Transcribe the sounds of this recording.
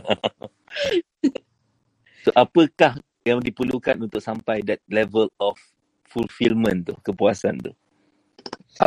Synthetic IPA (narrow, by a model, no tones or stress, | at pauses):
t̪oʔapəkah | jaŋdipəlukanunt̪ʊk̚sampajdɛt̪̚lɛvəlɔfː | ulfilmə̃nt̪ṵhkəpuasa̰nt̪ṵh